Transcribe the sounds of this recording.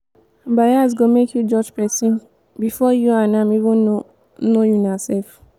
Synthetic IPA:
bajasɡomekjud͡ʒɔd͡ʒpɛsĩn | bifɔjuãnãmivĩn | nojunasɛlf

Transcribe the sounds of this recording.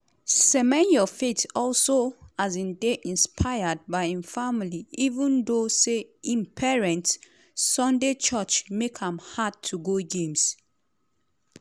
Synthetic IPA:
sɛmɛ̃njɔfetɔlsoazĩndeʔĩnspʰaɪəd̚baɪĩnfamiliivũndoseĩnpʰɛɹɛ̃ntsː | ɔ̃ndet͡ʃɔt͡ʃmekãmhad̚tʰːuɡoɡẽms

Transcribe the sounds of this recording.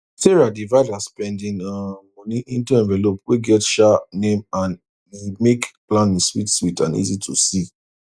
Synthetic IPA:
sɛɹadivaɪdaspɛ̃ndĩnɔmɔ̃nĩʔĩntuɛ̃ɱvɛlopweɡɛtʃanẽmãn | imekplãnĩswitswitãnḭzitʰusi

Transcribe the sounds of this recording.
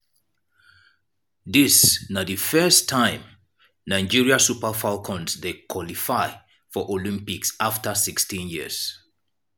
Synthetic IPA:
ðisnadɨfɜstʰãɪ̃m | naɪd͡ʒiɹiasupəfalkʰɔ̃nsdekʰwɔlifaɪ | fɔʔolĩmpiksaftəsikstĩnjiəz̥

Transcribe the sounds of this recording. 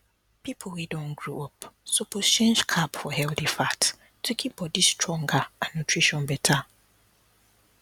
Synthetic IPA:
pʰipʰowidɔ̃nɡɹuʔɔpsopʰost͡ʃʰẽnd͡ʒkʰabfɔhɛlθifat | tʰukʰib̥ɔdistʰɹɔ̃ŋɡaãnːutʰɹiʃɔ̃nbɛtʰa

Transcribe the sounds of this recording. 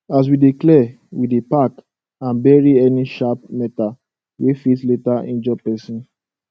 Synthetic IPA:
as̬widiklɛ | widepak | ãnbɛɹiɛniʃap̚mɛta | wefitletaʔḭ̃nd͡ʒɔpɛsĩn

